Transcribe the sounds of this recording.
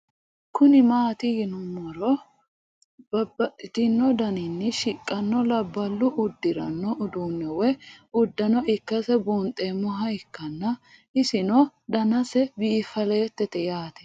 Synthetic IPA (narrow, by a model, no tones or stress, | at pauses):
kʊnɪmaːt̪ɪɡɪnʊmɔɾɔ | bɐbɐtɪt̪ɪnːɔd̪ɐnɪnːɛʃɪkʼːɐnːɔlɐbːɐlːʊʔʊd̪ːɪɾɐ̰nːɔʔʊd̪uːnːɛwɛʊd̪ːɐnɔɪkːɐsɛbuːnt̪ʼːemʊɦɐɪkːɐnːɐ | ɪsɪnɔd̪ɐnɐsɛbiːfɐleːt̪ːɛt̪ɛjaːt̪ɛ̥